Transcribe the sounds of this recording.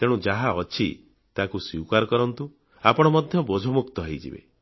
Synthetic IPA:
t̪eɽ̃ũd͡ʒaɦaɔt͡ʃʰi | t̪akuswiwkaɾɔkɔɾɔnt̪u | apɔɽ̃ɔmɔd̪ʱjɔbɔd͡ʒʱɔmuk̚t̪ɔɦejd͡ʒḭbḛ

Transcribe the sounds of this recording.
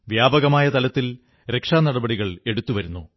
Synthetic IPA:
ʋjaːbɐɣɐmaːjɐt̪ɐlɐt̪ːil | ɾe̞kʂaːnɐɽɐbɐɽiɣɐɭe̞ɽut̪ːuʋɐɾunːu

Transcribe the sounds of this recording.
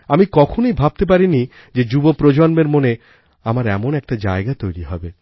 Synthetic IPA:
amikɔkʰonojbʱab̚t̪ep̬aɾini | d͡ʑed͡ʑubopɾod͡ʑɔnmeɾmone | amaɾɛmonɛk̚ʈad͡ʑa̰eɡat̪ojɾiɦɔbe

